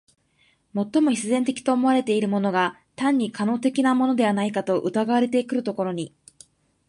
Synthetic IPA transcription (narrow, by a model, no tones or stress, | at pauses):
mo̞t̪ːo̞mo̞çʲi̥sɨzẽ̞nt̪e̞kʲi̥t̪o̞ːmo̞βaɾe̞t̪e̞iɾɯ̟mo̞no̞ɡa | t̪ãɲ̟ːikano̞ːt̪e̞kʲinamo̞no̞d̪e̞βanaikat̪o̞ʔɯ̟t̪aɡaβaɾe̞t̪e̞kɯ̟ɾɯ̟t̪o̞ko̞ɾo̞ɲ̟i